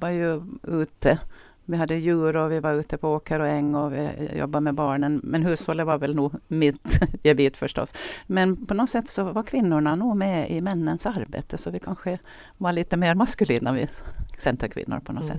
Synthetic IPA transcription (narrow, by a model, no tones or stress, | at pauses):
aɾjʉʉːt̪ʰə | vɪɦɑd̪ːəjʉːɾɔvɪvaɾʉːt̪əpʰɔoːkʰəɾɔɛŋːɔvɪ̰jɔ̰bːamɛbɑːɳənmɛnɦʉːshɔlːəvaɾvɛlnuːmɪt̪jɛbiːt̪fœʂʈɔ̰smɛnpʰɔnɔt̪sɛt̪ːsɔvaɾkʰvɪnːʊɳanuːmɛɪmɛnːənsaɾbḛːt̪ʰəsɔvɪkʰanɧə | vaɭiːt̪əmeːɾmaskʉliːnavɪ̰sɛnt̪ʰɾəkʰvɪ̰nːʊ̰ɾpʰɔnɔsɛ̰t̪ː